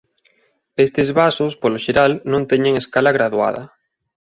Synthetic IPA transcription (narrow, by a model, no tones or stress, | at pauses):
est̪ezβasʊspoloʃeɾalnõnt̪eɲeŋeskalaɣɾaðua̰ð̞ɐ̰